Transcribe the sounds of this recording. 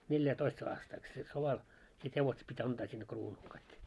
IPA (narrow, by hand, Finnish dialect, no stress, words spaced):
neljætoist ɑːstɑik se soʋɑl sit heʋoset pitʲ ɑntɑː sinːe kruːnul kɑik